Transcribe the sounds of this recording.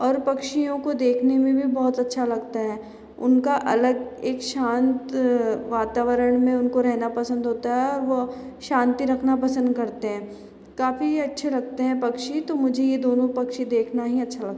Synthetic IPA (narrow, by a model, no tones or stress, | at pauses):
ɔːɾpɐkʃijõkod̪eːkʰnemẽbʱibɔːt̪ɐtːʃʰalɐɡt̪aɦɛː | ʊnkaʔɐləɡeːkʃãːnt̪ʋaːt̪aːʋəɾəɽ̃mẽʊnkoɾɛɦnapɐsə̃nd̪ɦoːt̪aɦɛɔːɾʋoʃãːnt̪iɾɐkʰnapɐsə̃nd̪kɐɾt̪eɦɛ̃ː | kaːfiɐtːʃʰelɐɡ̚t̪eɦɛ̃pɐkʃit̪omʊd͡ʒʱejed̪oːnõpɐkʃid̪eːkʰnaɦiɐtːʃʰalɐɡ̚t̪a